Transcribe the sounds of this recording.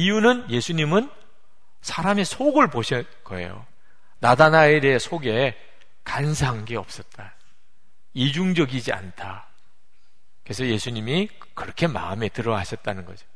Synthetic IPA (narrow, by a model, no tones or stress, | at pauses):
ijunɯnje̞sʰuɲimɯn | sʰaɾame̞sʰoɡɯɭpoɕʰʌtkʌḛjo̰ | nadanaeɾeesʰoɡe̞ | kansʰaŋɡeʌp̚s͈ʌt̚t͈a | id͡ʑuŋd͡ʑʌɡid͡ʑia̰ntʰa | kɯesʰʌje̞sʰuɲimi | kɯɾʌkʰe̞ma̰ɯme̞tɯɾʌɦaɕʰʌt̚t͈anɯnɡʌ̰d͡ʑo̥